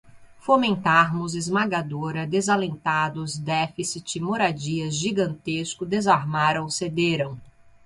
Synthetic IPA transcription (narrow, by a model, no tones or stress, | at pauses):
fomẽnt̪aɾmʊzɪzmaɡad̪oɾɐd̪ezalẽnt̪ad̪ʊzd̪ɛfisit͡ʃɪmoɾad͡ʒiɐzʒiɡɐ̃nt̪eskʊd̪ezaɾmaɾɐ̃w̃sed̪eɾɐ̃w̃